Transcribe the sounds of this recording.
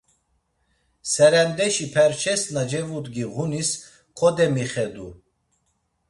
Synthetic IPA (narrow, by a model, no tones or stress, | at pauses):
sɛɾɛmd̪ɛʃipʰɛɾt͡ʃʰɛsnad͡ʒɛvud̪ɡiʁunis | kʰɔd̪ɛmiχɛd̪u